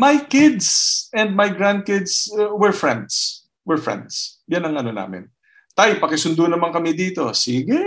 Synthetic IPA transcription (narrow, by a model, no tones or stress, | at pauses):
mɐjkɪd̪sɛ̃nd̪̚mɐjɡɹãnd̪̚kɪd̪swɛɹfɹɛ̃nd̪s | wɛɹfɹɛ̰̃nd̪s | janɐŋɐnona̰ːmɪ̰n | t̪ajpɐkɛsʊnd̪ʊnɐmaŋkɐmɛd̪iːt̪o̞siːɡɛ